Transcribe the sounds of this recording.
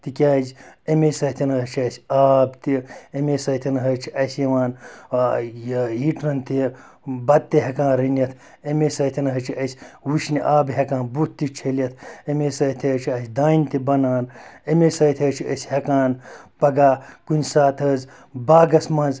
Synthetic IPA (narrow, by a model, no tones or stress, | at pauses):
t̪ikʲaːzemesɐt̪ʰinɐɦɐt͡ʃʰiɐsʲaːbt̪iemesɐt̪ʰinɐɦɐt͡ʃʰiɐsʲjɐʋaːn | ɦiːʈnɐnt̪i | bɐd̪̚t̪eɦɐkãːnɾinʲɐt̪ʰ | emesɐt̪ʲʰinɐɦɐt͡ʃʰiɐsʲwuʃnʲiʔaːbɦʲekãːnbut̪t̪ːit͡ʃʰelɐt̪ʰemeːsɐt̪ʰɐt͡ʃʰiɐsʲd̪aːnʲt̪ibɐnaːnemesɐt̪ʰʲɐt͡ʃʰiɐsʲhekaːnpɐɡaːkunʲsaːt̪ʰɐz | baːɡɐsmɐnz